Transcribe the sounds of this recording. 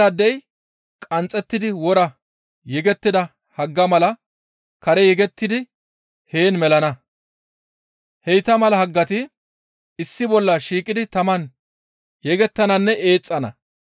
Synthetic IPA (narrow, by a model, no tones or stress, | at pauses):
ɐd̪ːɛj | kʼɐnt͡sʼːɛt̪ːɪd̪ɪwɔɾɐ | jɛɡɛt̪ːɪd̪ɐ | hɐɡːɐmɐlɐ | kɐɾɛjɛɡɛt̪ːɪd̪ɪ | he̞ːnmɛlɐnɐ | hɛjt̪ɐmɐlɐhɐɡːɐt̪ɪ | ɪsːɪbɔlːɐʃiːkʼɪd̪ɪt̪ɐmɐn | jɛɡɛt̪ːɐnɐnːɛʔeːt͡sʼːɐnɐ̰